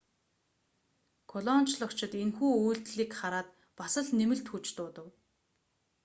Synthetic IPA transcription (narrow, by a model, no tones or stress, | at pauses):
kʰɔɮɔn̥t͡ɕɮɞ̆kt͡ɕʰɪ̆t̪enxuːuːɬt̪ɮiːkχaɾaːt̪ | pasə̆ɮnemɘ̆ɬt̪xut͡ɕt̪ʊːt̪ə̆w